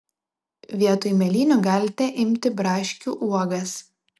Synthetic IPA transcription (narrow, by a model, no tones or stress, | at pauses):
ʋʲiɛt̪ojmʲɛlʲiːnʲuːɡɑːlʲɪt̪ʲɛʔɪmʲt̪ʲɪbɾɑːʃʲkʲuːʔuɔɡɐs